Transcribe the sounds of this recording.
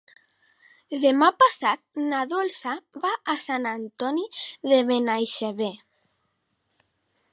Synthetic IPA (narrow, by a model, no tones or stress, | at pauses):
ðemapasat̪̚naðolsaβaːsanant̪ɔniðeβenajʃeβe